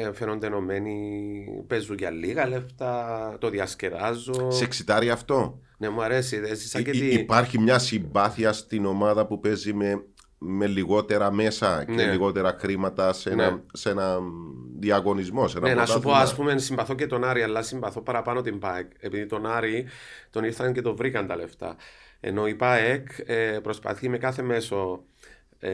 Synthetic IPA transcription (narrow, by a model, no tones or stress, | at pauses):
ɱfenond̪eno̞me̞nipe̞zuʝɐlːiɣɐleft̪ɐt̪o̞ðiɐsce̞vɐzːoseksit̪ɐɾiɐft̪o̞ | ne̞muɐɾe̞siðzisɐɟet̪iːpɐɾçimɲɐsimbɐθiɐst̪ino̞mɐðɐpupe̞zime | me̞liɣo̞t̪e̞ɾɐme̞sɐcneliɣo̞t̪eɾɐkɾimɐt̪ɐsenɐsenɐnðiɐɣo̞nizmo̞sennenɐspoɐspumensimbɐθo̞cet̪o̞naɾiɐlːɐsimbɐθo̞pɐɾɐpɐno̞t̪impaeke̞piðit̪o̞naɾit̪oniɾθɐɲce̞t̪o̞vɾikɐnt̪ɐle̞ft̪ɐ̰ḛnoipaekepɾo̞spɐ̰θimekaθe̞me̞so̞